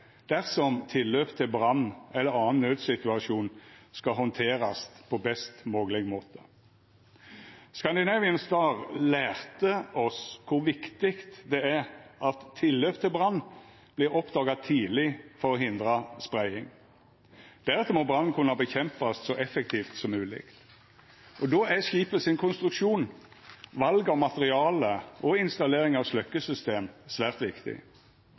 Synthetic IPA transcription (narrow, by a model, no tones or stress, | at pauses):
d̪̥æʁsɔmt̪ʰɪlːøːpt̪ʰɪlbʁɑnːɛlːəʁɑːənnøːd̪sɪt̪ʉɑʃuːnskɑɦɔnt̪ʰeːɾɑspʰɔbɛst̪moːɡəlɛɡmoːt̪ʰə̥ | skɑnd̪ɪnɑːʋɪənsd̪ɑːʁlæːʁt̪əɔskʰʊʋɪkt̪ɪkt̪d̪ɛæɾʔɑt̪ʰːɪlːøːpt̪ʰɪlbʁɑnː | b̥lɪɾɔpd̪ɑːɡɑt̪ʰiːlɪfɔɾɔɦɪnd̪ɾɑspɾæɪɪŋ | d̪̥æɾʁɛt̪ːəmɔbɾʁɑnːkʰʉnːɑbəçɛmpɑssɔʔɛfɛk̚t̪ʰiːft̪sɔmːʉːlɪ̰k̪ | ʔɔd̪ɔːæʃiːpəsɪnkʰʊnst̪ɾʉkʂuːn | ʋɑlɡɑmɑt̪əʁɪɑːləʔɔɪnst̪ɑleːɾɪŋɑʋslœkːəsʏst̪eːmsʋæːʁt̪ʋɪkt̪ɪ̰